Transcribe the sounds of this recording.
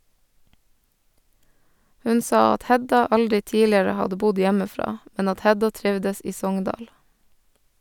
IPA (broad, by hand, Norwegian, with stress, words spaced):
ˈhʉn ˈsɑː ˈɑt ˈhɛdɑ ˈɑldɾɪ ˈtiːlɪɾə ˈhɑdə ˈbʊd ˈjæməˌfɾɑː ˈmɛn ˈɑt ˈhɛdɑ ˈtɾɪʋdəs ˈiː ˈsɔŋndɑːɽ